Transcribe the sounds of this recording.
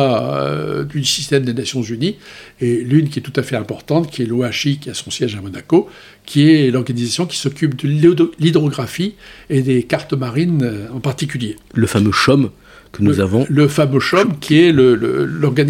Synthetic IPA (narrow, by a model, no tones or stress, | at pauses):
a | d̪ysi̥st̪ɛmd̪enasjɔ̃zynielynkʲiɛt̪ut̪afɛɛ̃pɔʁt̪ɑ̃t̪kʲʰiɛloaʃikʲiasɔ̃sjɛʒamɔnako | kʲʰiɛlɔʁɡanizasjɔ̃kʲi̥sɔkʲypd̪əlid̪ʁɔɡʁafied̪ekaʁt̪ɔmaʁinɑ̃paʁt̪ik̬ʲyljeləfamøʃɔm | kənuzavɔ̃ləfamøʃɔmkʲiɛlələ̰lɔʁɡan